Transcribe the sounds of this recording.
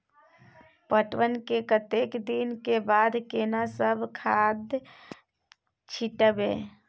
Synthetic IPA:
pəʈwənkekət̪eːkd̪inkebaːd̪ʱkenasəbʱkʰad̪j | t͡ʃʰiʈəbẽː

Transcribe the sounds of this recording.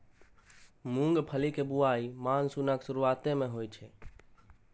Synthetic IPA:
mũŋɡpʰəlikebuaimansunəksʊɾuat̪emẽɦojt͡ʃʰɛ

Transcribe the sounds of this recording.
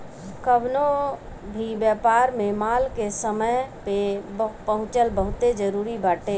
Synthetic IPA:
kəbno | bʱibjəːpaːɾmẽmaːlkesəməjpepəɦʊ̃t͡ʃəlbəɦʊt̪ed͡ʒəɾuːɾibaːʈe

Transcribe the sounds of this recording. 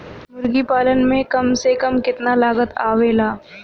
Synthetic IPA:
mʊɾɡipaːlənmẽkɐmsekɐmkɪt̪nalaːɡət̪a̰ːʋeːlaː

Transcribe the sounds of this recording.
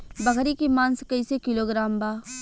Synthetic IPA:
bɐɡɾikimãːnskɐisekɪloɡɾaːmbaː

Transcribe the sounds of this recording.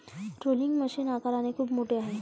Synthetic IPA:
ʈɾoliŋɡməɕiːnakaɾanekʰuːpmoʈeaɦe

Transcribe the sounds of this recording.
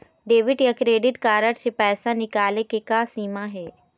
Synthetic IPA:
ɖeːʋɪʈjakɾeːɖɪʈkaːɾəʈsepɛːsãnɪkaːlekekaːsiːmãɦeː

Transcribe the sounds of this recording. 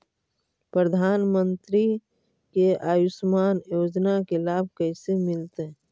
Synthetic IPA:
pɾəd̪ʱaːnmə̃nt̪ɾi | keaːjʊsmaːnjoːd͡ʒnakelaːb̚ʱkəsemɪlt̪e

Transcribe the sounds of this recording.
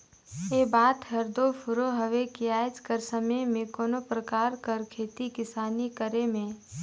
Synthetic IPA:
eːbaːt̪ɦɐɾd̪opʰʊɾoɦəʋekiaːed͡ʒkəɾsəməjmẽkoːnopɾəkaːɾkəɾkʰeːt̪ikɪsaːnikəɾemẽ

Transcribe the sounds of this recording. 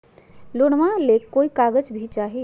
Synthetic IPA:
loɽ̃ʋãlekːoikaɡəd͡ʒbʱit͡ʃaːɦi

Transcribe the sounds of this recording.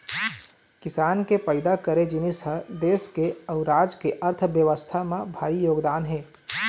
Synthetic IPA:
kɪsaːnkepəɪd̪akəɾed͡ʒɪnisəd̪eːskeəʊɾaːd͡ʒkeʔəɾt̪ʰʋjəʋəst̪ʰamãbʱaːijoːɡd̪aːnɦẽː

